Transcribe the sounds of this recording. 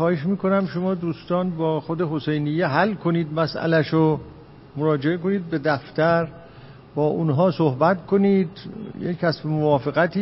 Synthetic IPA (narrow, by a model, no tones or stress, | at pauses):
xɒːheʃmiːko̞næmʃomɒːd̪uːst̪ɒːnbɒːxod̪eɦose̞jnijːeɦælkʰoniːd̪mæsʔæ̰læʃo | moɾɒːd͡ʒe̞eko̞niːd̪̚be̞d̪æft̪æɾ | b̥ɒːʔunɦɒːsohbæt̪kʰo̞niːd̪jecʰæsfemovɒːfeɣæt̪ʰiː